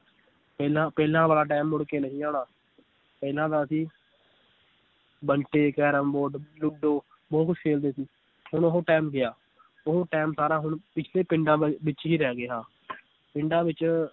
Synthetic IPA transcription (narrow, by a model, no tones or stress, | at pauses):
pɛːlãːpɛːlãːʋaːlaːʈɛːmːʊɽkeːnəɦĩːaːɳaː | pɛːlãːd̪aːsiː | bəɳʈeːkɛːɾəmboːɖlʊɖoː | bɔːt̪kʊt͡ʃʰkʰeːld̪eːsiː | ɦʊɳoɦoːʈɛːmɡɪaː | ʊɦoːʈɛːmsaːɾãːɦʊɳpɪt͡ʃʰleːpɪɳɖãːʋɪt͡ʃɦiːɾɛːɡɪaː | pɪɳɖãːʋɪt͡ʃ